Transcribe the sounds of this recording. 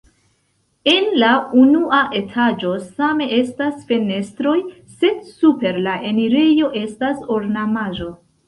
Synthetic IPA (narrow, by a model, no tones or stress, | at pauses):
e̞nlaunuaʔe̞tʰad͡ʒo̞same̞ʔe̞stasfe̞ne̞stɾo̞j | se̞dsupe̞ɾlaʔe̞niɾe̞jo̞ʔe̞staso̞ɾnamaʒo̞